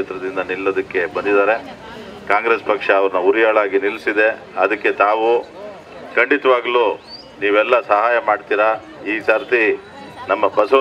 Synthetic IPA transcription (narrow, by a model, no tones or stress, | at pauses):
et̪ɾɐd̪ind̪ɐnilːoːd̪ɐkːe̞bɐnd̪id̪aːɾe̞ | kaːŋɡɾespɐkʂɐːʋɐɾɐnɐuɾijaːɭaːɡinilsid̪e̞ | ɐd̪ɐkːe̞t̪aːʋu | kɐɳɖit̪ɐʋaːɡluː | niːʋɛlːɐsɐɦaːjɐmaːɖt̪iːɾɐ | iːsaːɾt̪i | nɐmːɐbɐsɐ